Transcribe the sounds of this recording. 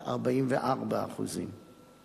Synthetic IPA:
a̰ʁbaimveʔaʁbaa̰χṵzḭm

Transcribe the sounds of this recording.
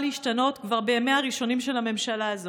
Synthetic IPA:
liiʃtano̞tkvaʁbemeaʁiʃo̞nimʃe̞lhame̞mʃalaːzo

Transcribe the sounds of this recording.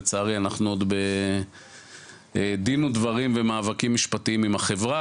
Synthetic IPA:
t͡saːʁianaχnuod̪be | ed̪inud̪vaʁimvemaːvakimːiʃpat̪iimimaχe̞vʁa

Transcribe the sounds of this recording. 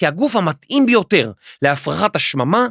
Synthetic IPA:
iaɡufhamat̪ʔimbejo̞te̞ʁleafʁaχataʃmama

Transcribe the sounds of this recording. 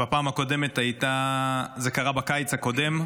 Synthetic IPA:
bapaːmhako̞de̞met̪ajtaze̞kaʁabakajt͡shako̞de̞m

